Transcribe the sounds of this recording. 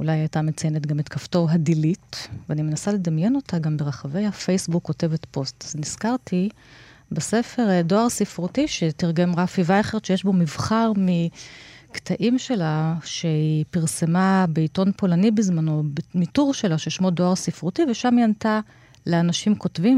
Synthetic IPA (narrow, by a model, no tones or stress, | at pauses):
ulajajtame̞t͡saje̞netɡametkafto̞ɦadilitveanimenasale̞damje̞no̞taɡambe̞ʁaχave̞jhafejsbukːo̞te̞vetpo̞stazniskaʁtʰi | bese̞fe̞ʁdo̞aʁsifʁutiʃe̞tiʁɡe̞mʁafivajaχeʁʃejeʃbo̞mivχaʁmi | ktʰaʔimʃe̞laʃehipiʁse̞mabeito̞npo̞lanibizmano̞bmituʁʃelaʃejeʃmo̞doaʁsifʁutiveʃamianta | leanaʃimko̞tvim